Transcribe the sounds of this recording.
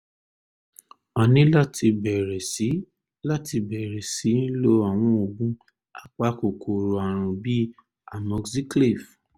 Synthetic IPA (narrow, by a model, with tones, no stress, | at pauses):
ɔ˧nĩ˦la˦ti˧bɛ˨ɾɛ˨si˨˦ | la˦ti˧bɛ˨ɾɛ˨si˨˦lo˦a˨w̃ɔ̃˧o˧ɡũ˦ | a˦k͡pa˧ko˨kʰo˨ɾo˨a˨ɾ̃ũ˨bi˦ | a˨mɔ˧ksi˦kli˦˨f